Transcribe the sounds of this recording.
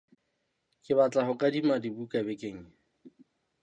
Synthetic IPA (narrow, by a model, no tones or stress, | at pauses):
kʼɪβat͡ɬʼaɦʊkʼadimadibukʼabekʼeːŋ̩